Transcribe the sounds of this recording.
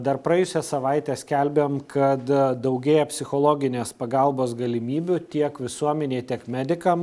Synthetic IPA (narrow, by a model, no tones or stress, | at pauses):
d̪ɐrpɾɐɛjʊsʲɛsɐʋɐɪt̪ʲɛːsʲkʲɛlʲbʲemkʰɐt̪d̪ɐʊɡʲeːjɛpʲsʲɪxoːlˠoːɡʲɪnʲeːspɐɡɐlˠboːsɡɐlʲɪmʲiːbʲʊt̪ʲiɛkʋʲɪsuɔmʲɛnʲeːt̪ʲiɛkmʲæd̪ʲɪkɐm